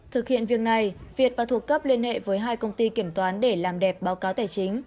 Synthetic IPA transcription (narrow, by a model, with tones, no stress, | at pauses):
t̪ʰɨ˨˩k̚hḭ˧˨ənvi˨˩ək̚na˨˩jvi˨˩ət̚vaː˨˩t̪ʰu˨˩əkːə˦˥p̚li˧ənhḛ˧˨vəː˨˦jɦaː˧jkə˧wŋ͡mt̪i˧ki˧˩əmt̪waː˨˦nɗe˧˩laː˨˩mɗɛ˨˩p̚ɓaː˨˦wkaː˨˦wt̪aː˧˩jt͡ɕi˨˦ŋ̟